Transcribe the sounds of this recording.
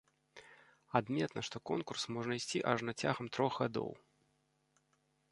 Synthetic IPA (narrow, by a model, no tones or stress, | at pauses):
ad̪mʲɛt̪nɐʂt̪ɔkɔnkursmɔʐnɐjsʲt͡sʲiʔaʐnat͡sʲaɣɐmt̪ɾɔɣɣad̪ɔ̰w